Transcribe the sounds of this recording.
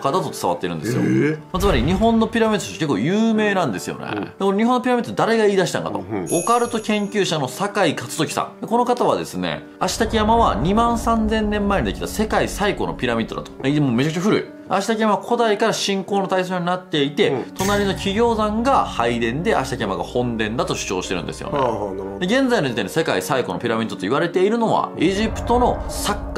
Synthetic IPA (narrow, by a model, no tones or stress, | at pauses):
kat̪at̪o̞t͡sɨ̥aβa̰t̪ːeɾɯ̟nd̪esɨjo̰mat͡sɨmaɾʲiɲ̟iɦõ̞nːo̞pʲiɾamʲit̪ːo̥ke̞kːo̰ːjɯːme̞ːnãnd̪e̞sɨjo̞̰nḛd̪ekonoɲ̟iɦõ̞nːo̞pʲiɾamʲit̪ːod̪aɾe̞ɡaiːd̪aɕi̥t̪ã̰ŋka̰t̪o̞̰okaɾɯ̟t̪o̞kʲẽ̞ŋkʲɨːɕano̞sakaikat͡sɨ̥zo̞kʲi̥sã̰ŋd̪eko̞no̞kat̪aβ̞a̰d̪e̞sɨne̞̰ | aɕi̥t̪akʲijamaβaɲ̟imãɰ̃sãnd͡zẽ̞nːẽ̞mːaeɲʲid̪ekʲi̥t̪ase̞kaisaiko̞̰no̰pʲiɾamʲit̪ːo̞d̪a̰t̪oeimoːme̞t͡ɕakɯ̟t͡ɕaɸɯɾɯ̟̰ḭ | aɕi̥t̪akʲijamaβkʰo̞d̪aikaɾaɕĩŋko̞ːnot̪aisooɲ̟inat̪ːe̞it̪e̞t̪o̞naɾʲino̞kʲʰiɡʲo̞ːzãŋɡahaid̪ẽ̞nd̪e̞ʔa̰ɕi̥t̪akʲijamaɡa̰hõ̞nd̪ẽ̞nd̪at̪o̞ɕɨ̥t͡ɕo̞ːɕi̥t̪e̞ɾɯ̟̰̃nd̪e̞sɨjo̰n̰d̪e̞ɡẽ̞nd͡zainit̪eɲise̞kaisaiko̞no̞pʲiɾamʲid̪ːot̪o̞iβ̞aɾe̞t̪e̞iɾɯ̟no̞βa̰eʑipɯ̟̥t̪o̞no̞sakːa